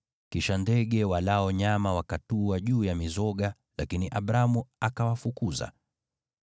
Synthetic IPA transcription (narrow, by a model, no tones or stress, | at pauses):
kiʃandɛɠɛwalaɔɲamawakatuaʄuːjamizɔɠa | lakiniʔaɓɾamuakawafukuza̰